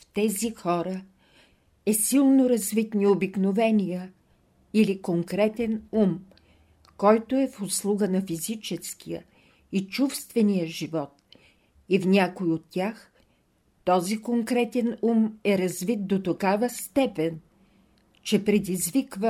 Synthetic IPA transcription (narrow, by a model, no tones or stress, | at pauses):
ft̪ɛzixɔɾə | ɛsilˠnoɾɐzvit̪niobiknovɛnʲijə | ilikoŋkɾɛt̪ɛnum | kɔjt̪oɛfʊslˠuɡənɐfizit͡ʃɛsk̟ijə | it͡ʃufst̪vɛnijəʒivɔt̪ | ifnʲakoiot̪ːʲax | t̪ɔzikoŋkɾɛt̪ɛnumɛɾɐzvit̪̚d̪ot̪okavəst̪ɛpɛn | t͡ʃɛpɾɛd̪izvikvə